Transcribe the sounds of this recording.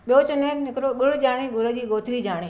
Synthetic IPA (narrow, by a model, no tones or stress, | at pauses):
ɓijot͡ɕʊnənnɪkɾoɡʊɽd͡ʑaːɽ̃eːɡʊɾəd͡ʑiːɡoːt̪ʰɾiːd͡ʑaːɽ̃eː